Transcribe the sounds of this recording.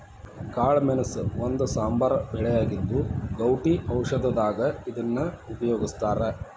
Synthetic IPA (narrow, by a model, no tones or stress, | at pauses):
kaːɭmɛnɐsond̪usaːmbaːɾɐbʱɛɭɛjaːɡid̪ːuɡɐwʈiʔɐwʂɐd̪ɐd̪aːɡɐid̪ɐnːɐupɐjoːɡist̪aːɾe